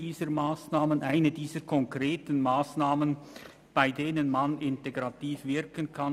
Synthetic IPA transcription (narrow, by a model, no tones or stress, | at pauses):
diːzəmaːsnaːmənʔaɪnədiːz̥əkʰɔŋkʁeːtən̩maːsnaːmən | b̥aɪdeːnənmanɪnteɡʁatiːfvɪɾkənkʰan